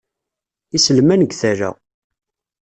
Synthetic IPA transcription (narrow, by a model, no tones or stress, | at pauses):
isəlmænəɡθæɾæ̰